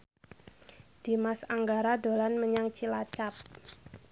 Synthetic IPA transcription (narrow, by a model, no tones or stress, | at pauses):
d̥i̤masaŋɡaɾado̤lanməɲaŋt͡ʃilat͡ʃap̚